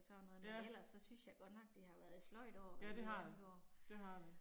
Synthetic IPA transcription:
sɒnɔðˠmeel̰ɐsːɒ̽synsjɑ̈ɡ̥ɒ̽d̥nɒ̽ɡ̥̚d̥ehɑ̈ʋæɐð̩ˠi̥slɒ̽ɪ̰d̥ɒ̰ːʋæ̥ɡ̥jo̝ɐ̰d̥eɑd

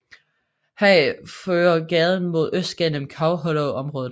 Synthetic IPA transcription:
hɛføːɐɡ̥ɛð̞ˠən̩mo̝ð̞ˠøsd̥̚ɡ̥enəmkʰɑ̈ʊɦɔloʊʔɒ̽mʁɔ̽ːðˠ

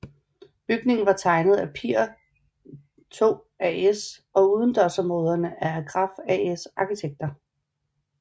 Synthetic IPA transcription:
b̥yɡ̥ne̝ŋn̩ʋɑ̈t͡sʰɑ̈ɪnəð̞̩ˠæpʰiɐ̰ | t͡sʰo̝̰ː | ɛesɒ̽uð̞ˠn̩d̥ɒsɒmo̝ːð̞ˠɐnəʔæɡ̥ʁɑ̈fɛesɑ̈kʰit͡sʰeɡ̥̚d̥ɐ

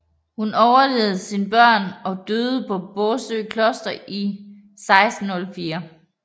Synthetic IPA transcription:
hunɒʊɐle̝ːð̞̩ˠsinb̥ɶɐ̰nɒ̽d̥øːð̩ˠpʰɒ̽b̥ɔːsø̰ːkʰlɔ̽sd̥ɐʔi | sɑ̈ɪsd̥n̩ɔ̽lfiːɐ

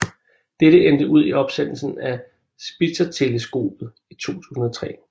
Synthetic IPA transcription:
d̥eɾ̥əend̥əʔuð̞̰ˠiɒ̽b̥sen̰l̩sn̩æ | sb̥i̥sɐt͡sʰe̝ləsɡ̥o̝̰ːb̥ð̩ˠ | it͡sʰo̝̰ːt͡sʰṵːsn̩ɒ̽t͡sʰʁɛ̰ː

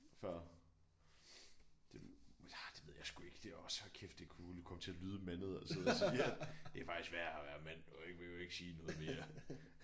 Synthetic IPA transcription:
fɶɐ̰ | d̥e̝æd̥e̥ʋe̝ð̰ˠjɑ̈ɪsɡ̥ue̝ɡ̥əd̥e̝æɒ̽shækʰefd̥ekʰuːlukʰɒ̽mət͡sʰe̝ælyːð̞ˠəmænð̞̩ˠɒseðˠsiæd̥e̝æfɑ̈ɡ̥isɡ̥ʋæɐ̰æʋæɐðˠmæn̰ɒ̽eɡ̥əʋe̝joe̝ɡ̥siːnɔ̽ːð̞̩ˠme̝ːɐ

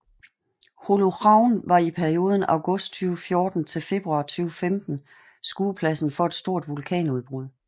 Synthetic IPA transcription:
holoʁɑ̈ʊ̰nʋɑ̈ipʰæɐio̝ːð̞ˠən̩ɑ̈ʊɡ̥ɔ̽sd̥t͡sʰyːʊəfjo̝ːd̥n̩t͡sʰe̝lfe̝b̥ʁuɑ̈ːt͡sʰyːʊəfemd̥n̩ | sɡ̥uːpʰlæsn̩fɒ̽ed̥sd̥o̝ɐ̰d̥ʋulkʰɛ̰ːnuð̞ˠb̥ʁuðˠ

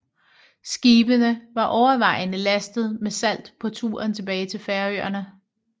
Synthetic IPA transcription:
sɡ̥iːb̥ənəʋɑ̈ʔɒʊɐʋɑ̈ɪnəlæsd̥ð̞̩ˠmesæl̰d̥pʰɒ̽t͡sʰṵːɐnt͡sʰe̝b̥ɛːɪt͡sʰe̝lfæɐø̰ɐnə

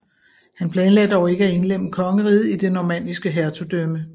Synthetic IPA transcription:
hænpʰlɛːnlɛdəɒʊe̝ɡ̥əæe̝nleməkʰɒ̽ŋəʁið̞̩ˠid̥e̝nɒmæn̰d̥isɡ̥əɦæɐt͡sʰud̥ømə

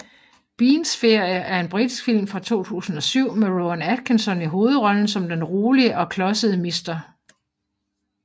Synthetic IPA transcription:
b̥iːnsfe̝ɐ̰jəʔæɐe̝nb̥ʁid̥isɡ̥fil̰mfʁɑ̈t͡sʰo̝̰ːt͡sʰṵːsn̩ɒ̽syʊ̰meʁoænæd̥̚kʰensɒ̽niɦo̝ːð̞̩ˠʁɒ̽ln̩sɒ̽md̥enʁoːliəʔɒ̽kʰlɒ̽səð̩ˠəmisd̥ɐ

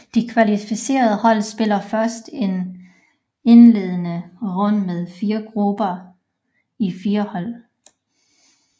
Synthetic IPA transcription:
d̥ikʰʋælifise̝̰ːɐð̞̩ˠəhɒ̽l̰sb̥e̝lɐfɶɐsd̥e̝n | e̝nle̝̰ːð̞ˠənəʁɔ̽l̰əmeð̞ˠfiːɐɡ̥ʁub̥ɐ | ifiːɐhɒ̽l̰

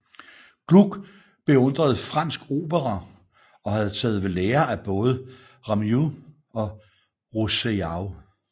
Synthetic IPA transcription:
ɡ̥luɡ̥ | b̥e̝ɔ̽n̰d̥ʁɐð̞̩ˠfʁɑ̈n̰sɡ̥o̝̰ːb̥əʁɐ | ɒ̽hæð̞ˠt͡sʰɛ̰ːð̞̩ˠʋe̝leːɐæb̥ɔ̽ːð̞ˠə | ʁɑ̈mju | ɒ̽ | ʁuseɑʊ

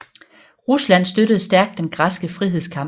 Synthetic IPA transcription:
ʁuslæn̰sd̥øɾəð̩ˠsd̥æɐɡ̥̚d̥ːenɡ̥ʁɑ̈sɡ̥əfʁiɦe̝̰skʰɑ̈m

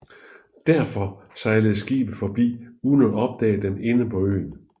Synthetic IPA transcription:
d̥æɐfɒ̽sɑ̈ɪləð̩ˠsɡ̥ḭːb̥ð̩ˠfɒ̽b̥ḭːuðˠnɒɒ̽b̥̚d̥ɛ̰ːd̥ene̝nəpʰɒ̽ø̰ːn

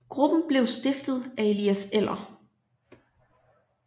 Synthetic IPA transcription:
ɡ̥ʁub̥n̩b̥le̝ʊsd̥efd̥ð̩ˠæe̝lḭːæsel̰ɐ

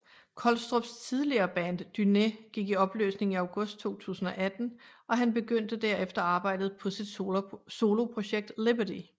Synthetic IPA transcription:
kʰɒlsd̥ʁob̥st͡sʰiðˠliɐːb̥ænd̥d̥yneɡ̥iɡ̥iɒ̽b̥lø̰ːsne̝ŋŋiɑ̈ʊɡ̥ɔ̽sd̥̚t͡sʰo̝̰ːt͡sʰṵːsn̩ɒ̽ʔæd̥n̩ʔɒ̽ɦænb̥e̝ɡ̥øn̰d̥əd̥æɐ̰efd̥ɐɑ̈ːb̥ɑ̈ɪ̰d̥ð̞̩ˠpʰɒ̽sid̥so̝ːlo̝pʰʁo̝ɕeɡ̥̚d̥leb̥ɐdi

